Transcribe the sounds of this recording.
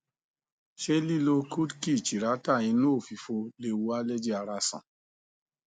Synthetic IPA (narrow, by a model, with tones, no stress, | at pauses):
ʃe˦li˦˨lo˧ku˦dki˦˨t͡ʃi˨ɾa˨˦ta˦˨j̃ĩ˧nũ˦o˦˨fi˨fo˧le˧˨wu˧a˦le˦d͡ʒi˦a˧ɾa˧sã̰˨